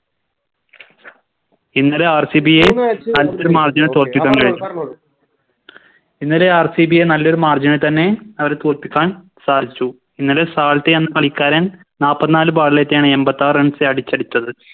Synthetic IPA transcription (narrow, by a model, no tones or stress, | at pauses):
inːɐleaːrsibijenɐlːoɾumaːrd͡ʑinɐt̪oːrpikːaːnkɐɻiːu | inːɐleaːrsibijenɐlːo̞ɾumaːrd͡ʑinɐt̪ɐnːe̞ɐʋɐɾet̪oːrpːikʲːaːn | saːd̪it͡ɕːu | inːɐlesaːɭt̪ːeenːɐkɐɭikʲːaːɾɐn | naːpːɐt̪ːinaːlɨbaːɭileːt̪ːejaːɳɨembɐt̪ːaːreɳɖseɐɽit͡ɕːɐɽit͡ɕːɐðɨ